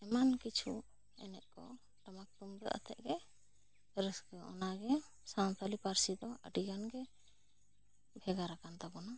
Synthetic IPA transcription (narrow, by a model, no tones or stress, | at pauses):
ɛmankit͡ʃʰu | ɛ̰nɛʔ̚ˀkɔ | ʈamak̚t̪umɡəʔa̰t̪ʰɛ̰ʔɡɛ | ɾəsɡɛɔ̰naɡɛ | sant̪ʰalipaɾsid̪ɔə̰ɖiɡanɡɛ | bʱɛɡaɾakant̪abɔna